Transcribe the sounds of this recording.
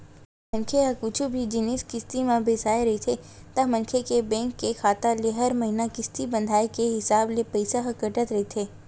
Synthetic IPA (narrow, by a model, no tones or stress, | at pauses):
mɐ̃nkʰeakʊt͡ʃʰubʱid͡ʒɪnɪskɪst̪imãbʱesaːeɾɐɦet̪ʰe | t̪ɐmɐ̃nkʰekebɛ̃ːŋkːexʰaːt̪aleɦɐɾmɐɦinakɪst̪ibɐ̃nd̪ʱaːekeɦɪsaːblepɐɪsaɦɐkəʈət̪ɾɐɦet̪ʰeː